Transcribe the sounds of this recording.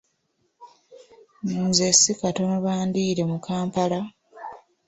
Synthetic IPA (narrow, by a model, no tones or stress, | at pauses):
zesikato̞noβaːndiːɾe̞mukaːmpala